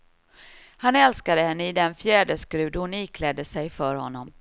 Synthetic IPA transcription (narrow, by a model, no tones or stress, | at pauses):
hanɛlskad̪əhɛnːəɪd̪ɛnfjæːɖəskɾʉ̟ːd̪hʊniːkʰlɛd̪ːəsɛjfœːɾhɔ̰nːɔm